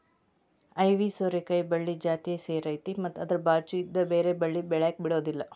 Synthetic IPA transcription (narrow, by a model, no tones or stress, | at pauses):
ɐjʋisoːɾekɐjbɐɭːid͡ʒaːt̪iseːɾɐjt̪imɐt̪ːɐd̪ɐɾbaːɾt͡ʃuid̪ːɐbeːɾe̞bɐɭːibɛɭjaːk̚biɽoːd̪ilːɐ